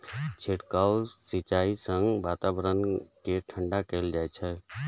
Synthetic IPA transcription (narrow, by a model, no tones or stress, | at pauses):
t͡ʃʰeʈkaʊsit͡ʃaisə̃ŋɡbat̪abɾənkeʈʰəɳɖakɛld͡ʒajt͡ʃʰɛ